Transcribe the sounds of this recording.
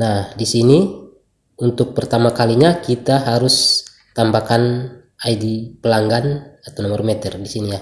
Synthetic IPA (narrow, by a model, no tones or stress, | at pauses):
nahdisini | unt̪ʊk̚pərt̪amakaliɲakit̪aɦaɾus | t̪ambakan | aidipəlaŋɡanat̪awnɔmɔrmɛt̪ɛrdisinija